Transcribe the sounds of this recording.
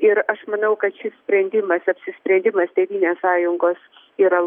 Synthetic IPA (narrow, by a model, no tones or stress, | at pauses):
ɪɾɐʃmɐnɐʊkɐt̪ʃʲɪssʲpʲɾʲɛnʲd̪ʲɪmɐsɐpʲsʲɪsʲpʲɾʲɛnʲd̪ʲɪmɐst̪ʲɛɪʋʲiːnʲeːssɑːjʊŋɡoːs | iːɾɐ